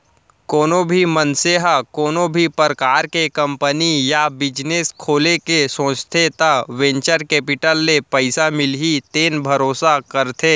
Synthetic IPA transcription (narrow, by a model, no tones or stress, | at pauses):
koːnõbʱimənseɦakoːnõbʱipɾəkaːɾkekɐ̃mpənijabɪd͡ʒneskʰoːlekesõːt͡ʃt̪ʰet̪aʋẽːɲt͡ʃəɾkeːpɪʈəlːepɐɪsamɪlɦit̪eːnbʱɐɾoːsakɐɾt̪ʰeː